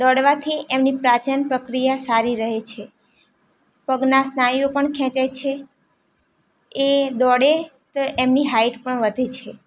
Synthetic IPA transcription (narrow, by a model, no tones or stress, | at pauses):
d̪ɔɽʋat̪ʰiʔemnipɾat͡ʃənpɾəkɾijasaɾiɾəɦet͡ʃʰe | pəɡnasnajjopəɳkʰɛ̃t͡ʃajt͡ʃʰe | ed̪ɔɽe | t̪oʔemniɦaiʈpəɳʋəd̪ʱet͡ʃʰe